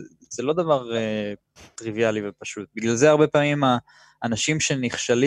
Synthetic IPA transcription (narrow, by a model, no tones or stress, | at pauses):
z̥elo̞d̪avaʁe | t̪ʁivialivepaʃut̪̚biɡlalzeaʁbe̞paːmimaː | naʃimʃe̞niχʃali